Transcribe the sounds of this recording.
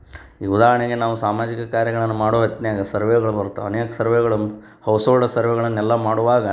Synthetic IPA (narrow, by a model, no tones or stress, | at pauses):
iːud̪aːɦɐɳeɡe̞naːʋusaːmaːd͡ʒikɐkaːɾjɐɡɐɭɐnːumaːɽoːɦɐt̪njaːɡɐsɐɾʋeːɡɐɭubɐɾut̪ːo̰ɐneːkɐsɐɾʋeːɡɐɭɐ | hɐwsoːɭɖɐsɐɾʋɛɡɐɭɐnːɛlːɐmaːɽuʋaːɡɐ